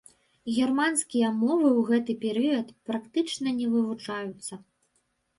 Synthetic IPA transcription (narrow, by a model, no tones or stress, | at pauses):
ɣʲɛrmanskʲijɐmɔvɨwɣɛt̪ɨpʲɛɾɨjɐt̪pɾakt̪ɨt͡ʂnɐnʲɛvɨvut͡ʂajut̪sːɐ